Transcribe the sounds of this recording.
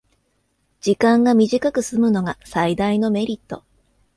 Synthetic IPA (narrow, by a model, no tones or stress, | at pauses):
d͡ʑ̥ikãŋɡamʲiʑikakɯ̟sɨmɯ̟no̞ɡasaid̪aino̞me̞ɾʲit̪ːo̞